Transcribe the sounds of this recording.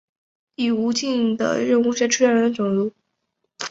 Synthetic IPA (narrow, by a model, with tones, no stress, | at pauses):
i˨˩u˧˥t͡ɕi˥˩nd̪ə̰˩ɻə˥˧nxu˥˧ɕɛ˥ʈ͡ʂʰɻu˥ɛ˥˩nɻə˧˥nd̪ə˧ʈ͡ʂʊ˨˩ŋlu˥